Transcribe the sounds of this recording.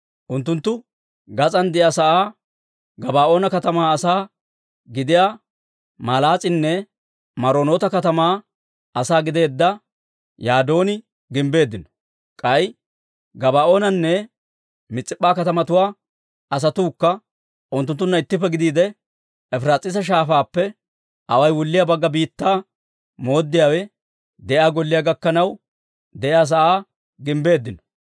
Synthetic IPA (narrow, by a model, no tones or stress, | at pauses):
ʔʊnt̪ːʊnt̪ːʊ | ɡɐt͡sʼɐnd̪ɪjasɐʔaː | ɡɐbaːʔo̞ːnɐkɐt̪ɐmaːɐsaː | ɡɪd̪ɪjaː | maːlaːt͡sʼɪnːɛ | mɐɾo̞ːno̞ːt̪ɐkɐt̪ɐmaː | ɐsaːɡɪd̪e̞ːd̪ːɐ | jaːd̪o̞ːnɪ | ɡɪmbe̞ːd̪ːɪnɔ̥ | kʼɐj | ɡɐbaːʔo̞ːnɐnːɛ | mɪt͡sʼːɪpʼːaːkɐt̪ɐmɐt̪ʊwaː | ɐs̬ɐt̪uːkːɐ | ʔʊnt̪ːʊnt̪ːʊnːɐɪt̪ːɪpːɛɡɪd̪iːd̪ɛ | ɛfɾaːt͡sʼɪs̬ɐʃ̬aːfaːpːɛ | ʔɐwɐjwɔlːɪjaːbɐɡːɐbiːt̪ːaː | mo̞ːd̪ːɪjaːwɛ | d̪ɛʔjaːɡɔlːɪjaːɡɐkːɐnɐw | d̪ɛjaːs̬ɐʔaː | ɡɪmbe̞ːd̪ːɪnɔ̥